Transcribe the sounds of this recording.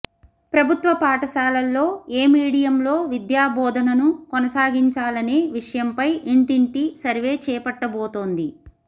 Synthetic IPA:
pɾɐbʱut̪ʋɐpaːʈɐʃaːlɐlːo̞ːeːmiːɽijɐmlo̞ːʋid̪jaːbɔːd̪ʱɐnɐnukɔnɐsaːɡiɲt͡ʃaːlɐneːʋiʂɐjɐmpɐjʔiɳʈiɳʈisɐɾʋe̞ːt͡ʃɛːpɐʈːɐboːt̪o̞ːnd̪i

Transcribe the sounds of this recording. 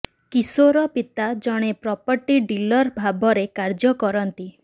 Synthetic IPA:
kisoɾɔpit̪ad͡ʒɔɽ̃epɾɔpɔɾʈiɖilɔɾbʱabɔɾekaɾd͡ʒɔkɔɾɔnt̪i

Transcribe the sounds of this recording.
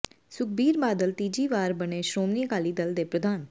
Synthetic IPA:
sʊk̚ʰbiːɾbaːd̪əlt̪iːd͡ʒiːʋaːɾbəneːʃɾoːmniːkaːliːd̪əld̪eːpɾəd̪ʱaːn

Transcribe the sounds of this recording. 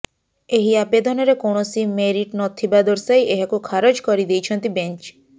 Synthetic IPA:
eɦiabed̪ɔnɔɾekɔɳ̃ɔsimeɾiʈnɔt̪ʰibad̪ɔɾsajʔeɦakukʰaɾɔd͡ʒkɔɾid̪ejt͡ʃʰɔnt̪ibent͡ʃ

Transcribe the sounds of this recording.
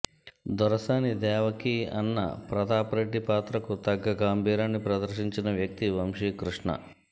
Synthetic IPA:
d̪ɐɾɐsaːnid̪ɛːʋɐkiɐ̰nːɐ̰pɾɐd̪aːpɾɐʈipaːt̪ɾɐkut̪ɐɡːɐɡaːmbʱiːɾaːnːipɾɐd̪ɐɾʃiɲt͡ʃinɐʋjɐk̚t̪iʋɐmʂikɾuʂɳɐ̰

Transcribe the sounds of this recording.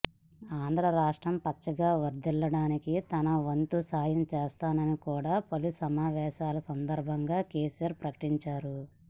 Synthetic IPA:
aːnd̪ʱɾɐɾaːʂʈɾɐmpɐt͡ʃːɐɡaːʋɐɾd̪ɛlːɐɽaːnikit̪ɐnɐʋɐnt̪usaːjɐmt͡ʃɛːst̪aːnɐnikuːɽaːpɐlusɐmaːʋɛːʃaːlɐsɐnd̪ɐɾbʱɐŋɡaːkeːsijɐɾpɾɐkɐ̥ʈiɲt͡ʃaːɾu

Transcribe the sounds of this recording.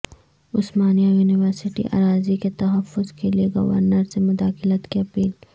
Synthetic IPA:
ʊsmaːnijajuːnɪʋəɾsɪʈḭʔa̰ːɾaːziket̪ɐɦəfːʊzkelieɡɐ̰ʋə̰ɾnəɾsemʊd̪aːxɪlət̪kiɐpiːl

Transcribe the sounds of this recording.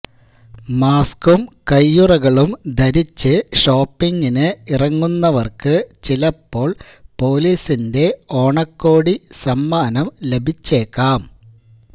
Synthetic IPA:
maːskumkɐjːurɐɣɐɭumd̪ʱɐɾit͡ɕːɨʂo̞ːpːiŋɡinɨirɐŋːunːɐʋɐrkɨt͡ɕilɐpːo̞ːɭ | po̞ːliːsinde̞o̞ːɳɐkːo̞ːɽisɐmːaːnɐmle̞bʱit͡ɕːe̞ːkːaːm

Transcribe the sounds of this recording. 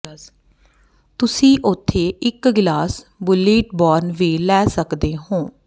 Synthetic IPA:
t̪ʊsĩːʔʊt̪ʰːeːʔɪkɡɪlaːs | bʊliːʈ̚bɔːɾnʋiːlɛːsəkd̪eːɦõː

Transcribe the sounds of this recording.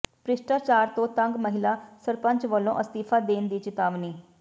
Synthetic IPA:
pɾɪʃʈaːɾt͡ʃaːɾt̪õːt̪əŋɡməɦɪlaːsəɾpə̃ɲt͡ʃʋəlːõ̰ːʔəst̪iːpʰaːd̪eːnd̪iːt͡ʃɪt̪aːʋniː

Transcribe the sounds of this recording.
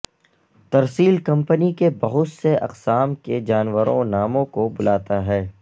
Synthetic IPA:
t̪ɐɾsiːlkɐ̃mpənikebɐɦʊt̪seʔɐ̰qsaːmked͡ʒaːnʋəɾõ̰naːmõkobʊlaːt̪aɦɛː

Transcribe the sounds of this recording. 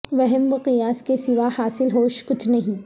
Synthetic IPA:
ʋɐɦɛmʋɪqɪjaːskesɪʋahaːsɪlɦoːʃkʊt͡ʃʰnɐɦĩː

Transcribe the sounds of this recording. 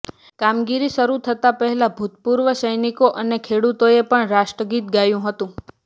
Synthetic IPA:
kamɡiɾisəɾut̪ʰət̪apəɦɛlabʱut̪puɾʋəʃəjnikoʔənekʰeɽut̪oepəɳɾaʃʈɾəɡit̪ɡajũɦət̪ũ

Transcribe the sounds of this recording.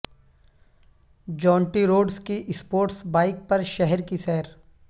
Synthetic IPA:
d͡ʒɔ̃ːɳʈiɾoːɖskiʔɪspoːɾʈsbaːɪk̚pɐɾʃɛɦɛɾkisɛɦɛɾ

